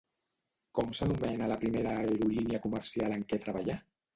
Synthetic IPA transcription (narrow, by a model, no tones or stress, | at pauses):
kɔmsənumɛnələpɾimeɾaeɾuliniəkuməɾsialəŋkɛt̪ɾəβaʎa